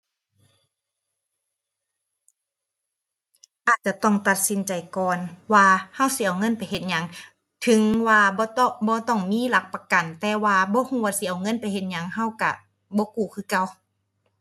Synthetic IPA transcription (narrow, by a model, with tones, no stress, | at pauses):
ʔaː˨˩t̪̚t͡ɕa˧˨t̪ɔ˧˥˩ŋt̪a˧˩t̪̚si˧˦nt͡ɕa˨˩jkɔː˨nwaː˧ha˧˥˨wsi˧˨ʔa˨wŋɤ˧˥˨npa˨jɦe˧˩t̪̚ɲa˧˦ŋ | t̪ʰɯ˨˦ŋwaː˧bɔː˧˦t̪ɔ˧˩bɔː˧˦t̪ɔ˧˩ŋmiː˧˥˨la˧˦k̚pa˧ka˨nt̪ɛː˧˩waː˧bɔː˧˦huː˧˦waː˧si˧˨ʔa˨wŋɤ˧˥˨npa˨jhe˧t̪̚ɲa˧˥ŋɦa˧˥˨wka̰˧˩ | bɔː˧˦kuː˧˩kʰɯː˧˩˨ka˧˩w